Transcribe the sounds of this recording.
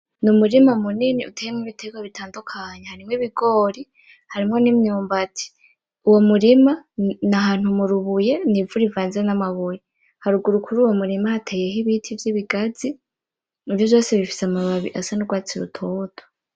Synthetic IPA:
numuɾimamuniniʔṵtʰejemŋiβitʰeɡwaβitʰaːndukʰaɲehaɾimŋiβiɡoːɾi | haɾimŋo̞nimɲuːmbatʰi̥ | uwo̞muɾimanaɦaːn̥humuɾuβuje̞nivuɾivaːnziɾenamaβuje | haɾuɡuɾukʰuɾuːwo̞muɾimahatʰeje̞ɦiβitʰivjiβiɡazi | ivjovjoːseβifi̥samaβaβḭʔasanoɡwaːt͡siɾṵtʰoːtʰo̥

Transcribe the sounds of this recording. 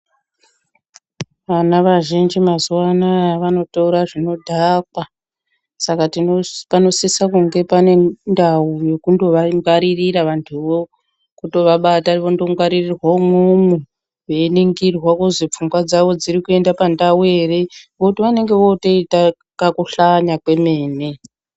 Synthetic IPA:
ʋanaʋaʒind͡ʒimazuwanaʋano̞touɾaʐino̞dʱakwa | sakatinopano̞sisakuŋɡe̞pane̞ndawuje̞kundo̞ʋaŋɡaɾiriɾaʋantʰuʋo | kuto̞ʋaɓataʋondo̞ŋɡaɾirirwamumu | weeniŋɡirwakuzip͡fuŋɡwad͡zaʋo̞d͡ziɾikue̞ndapandawue̞ːre̞ʋoutiʋane̞ŋɡe̞ʋo̞to̞ita | kakuɬaɲakwe̞me̞ːne

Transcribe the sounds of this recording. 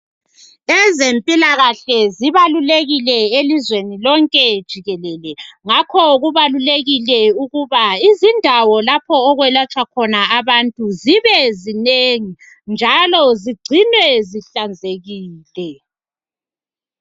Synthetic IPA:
ɛzempʼilaɣaɬɛziβaluleɣilɛelizwenilɔŋkʼɛd̥ʒ̥ʱiɣɛlɛlɛŋakʰɔɣuβaluleɣilɛuɣuβaizindʱawɔlapʰɔːɣwɛlat͡ʃʼwakʰɔnaaβantʼuziβɛzineŋi | nd͡ʒʱalɔziɡ͡ǀʱinwɛziɬand͡zʱeɣiːlɛ

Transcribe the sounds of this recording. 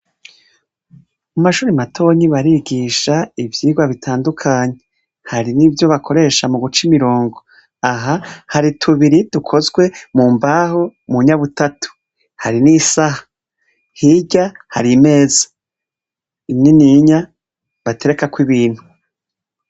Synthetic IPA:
mumaʃuːɾimatʰo̞ɲiβaɾiɡiʃaivjiːɡwaβitʰaːndukʰaːɲe | haɾinivjo̞βakʰo̞ɾe̞ʃamuɡut͡ʃimiɾo̞ːŋɡo̞ | aɦahaɾitʰuβiɾidukʰo̞zɡwe̞muːmbaːhomuɲaβutatu̥ | haɾinisahḁ | hiɟahaɾime̞ːzḁ | ininiɲa | βate̞ɾe̞kakwiβiːnhu

